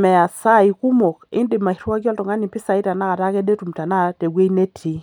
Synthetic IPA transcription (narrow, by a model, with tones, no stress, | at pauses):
mɛ˨a˨sa˦i˨ku˦mo˨kɪ̰˦ndɪ˨ma˨i˨˦ɾa˦kjɔ˦ltɔ˨ŋa˦ni˨pɪ˦sa˨i˦ta˨na˦ka˨ta˦kɛ˦de˦tu˨mta˨na˦˨te˨ɡe˦i˦ne˦tʰi˨˦